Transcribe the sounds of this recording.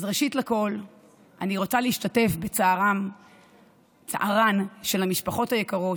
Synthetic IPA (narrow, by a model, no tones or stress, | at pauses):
zʁeʃitlako̞l | ʔaniʁo̞t͡saleːʃtate̞fbe̞t͡saːʁam | t͡sa̰ʔaʁanʃe̞lamiʃpaχo̞thajekaʁo̞